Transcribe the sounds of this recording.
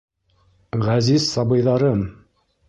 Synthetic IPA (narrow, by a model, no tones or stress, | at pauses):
ʁæzizsɑbɤ̆jðɑɾɤm